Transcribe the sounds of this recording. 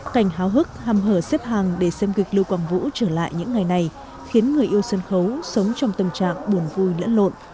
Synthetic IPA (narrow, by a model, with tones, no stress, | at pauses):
ka˧˩jŋ̟ɦaː˨˦wɦɨ˦˥k̚ha˨˩mɦəː˧˩sɛ˦˥p̚ɦaː˨˩ŋɗe˧˩sɛ˧mɣï˨˩k̚lɨ˧wkwaː˧˩ŋvṵ˧˥t͡ɕəː˧˩la̰ː˧˨jɲɨ̰˧˥ŋːa˨˩jna˨˩j | xi˨˦ənŋɨ˨˩əjʔi˧əwsə˧nxə˨˦wsə˨˦wŋ͡mt͡ɕɔ˧wŋ͡mt̪ə˨˩mt͡ɕa̰ː˧˨ŋɓu˨˧˩ənvu˧jlə̰˧˥nlo̰˧˨n